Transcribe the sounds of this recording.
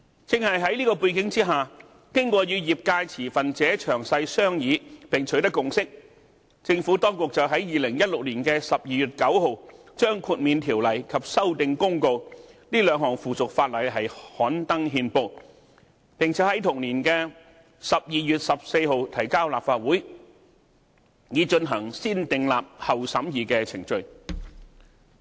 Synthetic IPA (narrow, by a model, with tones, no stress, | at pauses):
t͡sɪ˨˧ŋhɐ˨jɦɐ˨˥jliː˥kɔː˧puː˧jkɪ˨˥ŋt͡siː˥ɦaː˨˩ | kɪ˥ŋkɔː˧jyː˨˧jiː˨p̚kaː˧jt͡sʰiː˨˩fɐ˨nt͡sɛː˨˥t͡ʃʰœː˨˩ŋsɐ˧jsœː˥ŋjiː˨˧˥pɪ˨˩ŋt͡ʃʰɵ˨˥t̪ɐ˥kːʊ˨ŋsɪ˥k̚ | t͡sɪ˧ŋfuː˨˥t̪ɔː˥ŋkʊ˨k̚t͡sɐ˨wɦɐ˨˥jjiː˨˩lɪ˨˩ŋjɐ˥t̚lʊ˨k̚liː˨˩nkɛː˧sɐ˨p̚jiː˨˩jyː˨˩t̚kɐ˨˥wɦo˨˧w | t͡ʃœː˥ŋkʰuː˧t̚miː˨nt̪ʰiː˨˩wlɐ˨˩jkʰɐ˨p̚sɐ˥wt̪ɪ˨ŋkʊ˥ŋko˧wniː˥lœː˨˧˥ŋɦɔː˨˩ŋfuː˨t͡sʊ˨k̚faː˧t̚lɐ˨˧jɦɐ˨jhɔː˨˥nt̪ɐ˥ŋɦiː˧npo˧w | pɪ˨˩ŋt͡sʰɛː˨˥hɐ˨˥jt̪ʰʊ˨˩ŋliː˨˩nkɛː˧ | sɐ˨p̚jiː˨jyː˨t̚sɐ˨p̚se˧jɦo˨wt̪ʰɐ˨˩jkaː˥wlaː˨p̚faː˧t̚wuː˨˥j | jiː˨˧t͡ʃɵ˧nɦɐ˨˩ŋsiː˥nt̪ɪ˨ŋlaː˨p̚hɐ˨wsɐ˨˥mjiː˨˧kɛː˧t͡sʰɪ˨˩ŋt͡ʃɵ˨˧ɥ